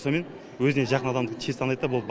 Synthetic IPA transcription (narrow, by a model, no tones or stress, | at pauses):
some̞n | wɵzɪneʒɑqənɑd̪ɑmd̪əqt̪ʲʰesʰɑnɑj̪ɑbol̚ˠ